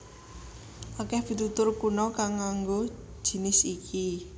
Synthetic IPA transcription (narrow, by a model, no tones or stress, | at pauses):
ʔakɛhb̥i̤t̪ut̪ʊrkunɔkaŋːaŋɡo̥ | ʒ̥i̤nɪsiki